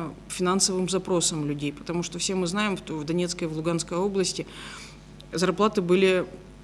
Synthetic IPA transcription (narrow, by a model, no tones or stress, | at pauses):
fʲɪnansəvɨmzɐpɾo̞səmlʲʉdʲejpə̥t̪ɐmuʂt̪ofsʲe̞mɨznajɪmʂt̪ovd̪ɐnʲet̪skəjivlˠʊɡanskəjo̞blˠəsʲtʲɪ | zɐrplˠat̪ɨbɨlʲɪ